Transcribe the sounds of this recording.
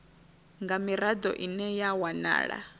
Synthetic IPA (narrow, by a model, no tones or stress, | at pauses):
ŋɡamiɾad̪ɔ̰ʔinɛjawana̰ːɺa̰